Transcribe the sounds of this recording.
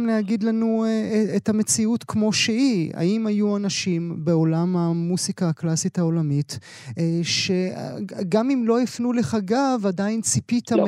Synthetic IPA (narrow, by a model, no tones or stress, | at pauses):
mlehaɡidlanuethamet͡siutkmo̞ʃeia̰imajuanaʃimbe̞o̞lamamusikaːklasitao̞lamit | ʃeɡamimlo̞ifnuleχaɡavadaint͡sipitam